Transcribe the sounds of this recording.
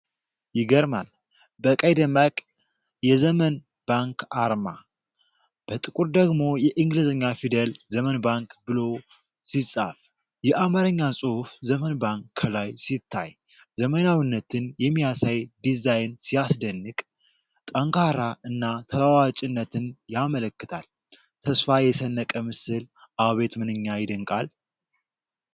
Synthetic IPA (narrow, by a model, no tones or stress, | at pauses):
jɪɡəɾmal | bəkʼəjd̪əmakʼ | jɛzəmən | b̥aŋkaɾma | b̥ət̪ʼɨkʼuɾd̪əɡmo̞jɛʔɨŋɡlizəɲːafid̪əlzəmənbaŋkbɨlo̞ | sisʼa̰f | jɛʔamaɾɨɲːasʼuhufzəmənbaŋkʰlajsit̪ʰːaj | zəmənawinːət̪ʰɨnjɛmːijasajd̪izajnsijasd̪ənːɨkʼ | t̪ʼəŋkʰaɾaʔɨnːat̪ʰəlawat͡ʃʼɪnːət̪ʰɨnjamələkːɨt̪ʰal | t̪ʰəsfajɛsənːəkʼəmɨsɨlʔawβe̞t̪mɨnɨɲːajɪd̪əŋkʼal